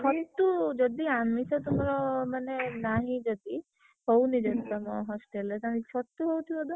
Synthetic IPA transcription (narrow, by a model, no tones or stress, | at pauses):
sɔt̪ːud͡ʒɔd̪ianmisɔt̪umɾɔmanenaɦĩd͡ʒɔd̪i | hownid͡ʒɔst̪ɔmɔɦɔsʈelet̪ãiksɔt̪ːuɦowt̪ʰibɔd̪ɔ